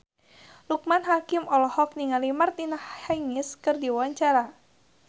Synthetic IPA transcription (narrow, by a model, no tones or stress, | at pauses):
luk̚manɦakɪmɔlɔhɔk̚niŋalimart̪inahhajŋɪskɨrdiwawaɲt͡ʃaɾa